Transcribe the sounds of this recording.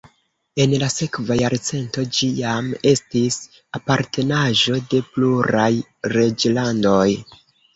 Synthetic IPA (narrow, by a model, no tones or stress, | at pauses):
e̞nlase̞kvajaɾt͡se̞nto̞d͡ʒijame̞stis | apaɾtʰe̞naʒo̞de̞pluɾajɾed͡ʒlando̞j